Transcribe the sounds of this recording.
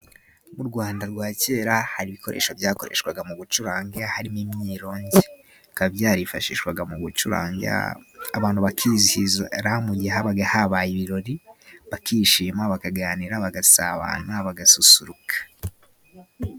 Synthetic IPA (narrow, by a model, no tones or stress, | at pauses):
muɾɡwaːndaɾɡwaːce̞ːɾahaɾiβiko̞ɾʔe̞̰ːʃo̞vjaːko̞̰ɾḛʃkwaɡamuɡut͡ʃuɾaːŋɡeahaɾimimɲiːɾo̞ːɲɟe | kabjaːɾifaʃḭːʃkwaɡamuɡut͡ʃuɾa̰ːŋ̰aβaːn̥huβakʰizihizɾamuɟiɦaβaɡahaβajiβiɾo̞ɾiβakiːʃiːmaβakaɡaːniɾaβaɡasa̰βa̰naβaɡasusuɾukʰḁ